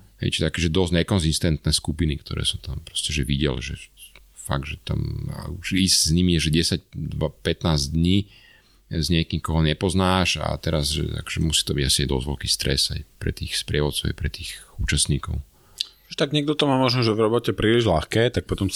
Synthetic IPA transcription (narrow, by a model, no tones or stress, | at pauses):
ɦɛ̰jt͡ʃi̥t̪akɛːʒɛd̪ɔzɲɛkɔnzist̪ɛnt̪nɛːskupinikt̪ɔ̰ɾɛ̰ːsɔmt̪ampɾɔ̥scɛʒɛʋiɟɛ̰lʒɛ̰ | fa̰ɡ̚d̪ʒɛt̪a̰ma̰uʃiszɲimiɛʒɛɟɛsac̚d̪ʋapɛt̪naːzd̪ɲiː | zɲɛkimkɔɦɔɲɛpɔznaːʃa̰t̪ɛɾazʒɛ̰a̰kɔ̥ʒɛmusi̥ːt̪ɔbiɟasiajd̪ɔ̰zʋɔlkiːst̪ɾɛza̰jpɾɛ̰t̪iːxspɾɪɛʋɔt̪t͡sɔʊa̰jpɾɛt̪iːxuːt͡ʃast̪ɲiːkɔʊ | ʒɛt̪aɡɲɛɡ̚d̪ɔt̪ɔmaːmɔʒnɔʒɛvɾɔbɔcɛpɾiːliʒlaxkɛːt̪ak̚pɔt̪ɔm